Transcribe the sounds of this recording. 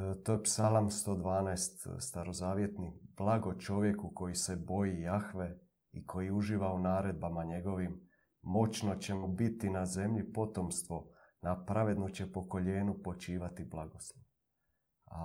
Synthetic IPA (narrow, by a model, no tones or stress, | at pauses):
t̪oepsalamst̪o̞ːd̪ʋaːnaest̪st̪aɾo̞zaːʋje̞t̪nib̥lˠaɡo̞t͡ʃo̞ʋje̞kuko̞jise̞bo̞jijaxʋe̞ | ikʰo̞jiuʒiːʋaunaːɾe̞d̪̚bamaɲe̞ɡo̞ʋimː | o̞t͡ɕno̞t͡ɕe̞mubit̪inaze̞mʎipo̞t̪o̞mst̪ʋo̞ | napɾaʋe̞d̪nut͡ɕe̞po̞ko̞ʎe̞ːnupo̞t͡ʃiːʋat̪iblˠaɡoslˠoʋ | a